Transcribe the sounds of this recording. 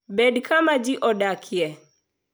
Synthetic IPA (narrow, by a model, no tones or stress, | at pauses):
bɛdkʰamad͡ʒiʔɔɗakʰiɛ